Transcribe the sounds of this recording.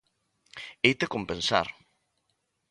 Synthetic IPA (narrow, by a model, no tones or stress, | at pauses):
ejt̪ekompẽnsa̰ɾ